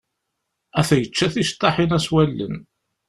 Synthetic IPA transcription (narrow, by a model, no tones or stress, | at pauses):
æθæjət͡ʃːæθist̪ˤːɑħinæswælːə̰n